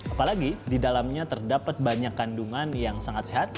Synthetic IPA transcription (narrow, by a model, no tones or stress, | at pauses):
apalaɡididalamɲat̪ərdapat̪̚baɲakanduŋanjaŋsaŋat̪seɦat̪̚